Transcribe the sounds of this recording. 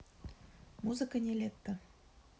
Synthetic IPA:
muzɨkənʲelʲet̪ːə̆

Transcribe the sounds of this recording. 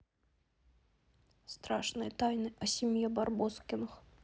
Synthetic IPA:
st̪ɾaʂnɨjɐt̪ajnɨʔɐsʲimʲjɛbarbɔskʲɪnɐx

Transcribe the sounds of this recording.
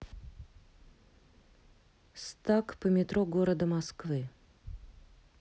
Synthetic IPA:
st̪akpəmʲɪt̪ɾoɡoɾəd̪əmɐskvɨ

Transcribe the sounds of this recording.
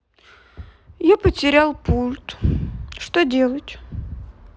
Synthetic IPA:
japətʲɪɾʲalˠpulʲt̪ʂt̪odʲe̞lˠətʲ

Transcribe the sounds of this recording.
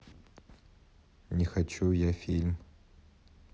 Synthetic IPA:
nʲixat͡ʃʰujafʲilʲm

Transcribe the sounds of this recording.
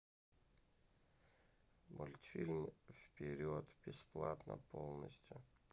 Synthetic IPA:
mʔʊlʲt̪fʲilʲmfpʲɪɾʲot̪b̥ʲɪsplˠat̪nə̰polˠnəsʲtʲjʊ

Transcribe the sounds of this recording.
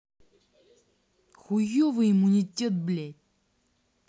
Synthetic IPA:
xujovɨimunʲitʲet̪̚blʲæt̚ʲ

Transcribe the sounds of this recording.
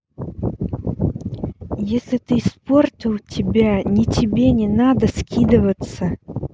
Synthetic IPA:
jesʲlʲɪt̪ɨsportʲilˠtʲɪbʲanʲɪtʲɪbʲenʲɛnad̪ɐskʲid̪əvət̪sːə

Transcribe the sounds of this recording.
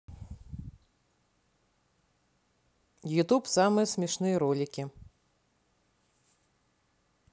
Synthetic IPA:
jut̪upsamɨjɐsʲmʲɛʂnɨjɐɾɔlʲikʲi

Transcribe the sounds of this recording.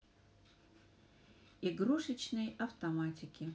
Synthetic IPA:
iɡɾuʂɨt͡ɕnɨjɐft̪ɐmatʲɪkʲɪ

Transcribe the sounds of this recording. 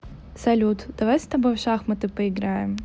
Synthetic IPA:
sɐlʲut̪d̪̥ɐvajsʲt̪ɐbɔjʂaxmɐt̪ɨpɐɪɡɾajɪm

